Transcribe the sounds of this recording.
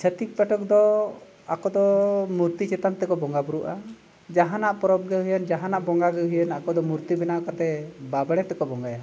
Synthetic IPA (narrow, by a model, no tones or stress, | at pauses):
t͡ʃʰət̪ik̚paʈɔkd̪ɔ | akɔd̪ɔmuɾt̪it͡ʃɛt̪ant̪ɛkɔbɔŋɡabuɾuʔa | d͡ʒaɦanaʔpɔɾɔb̚ɡɛɦujənd͡ʒaɦanaʔbɔŋɡaɡɛɦujənakɔd̪ɔmuɾt̪ibɛnakat̪ɛbabɽ̃ɛt̪ɛkɔbɔŋɡaja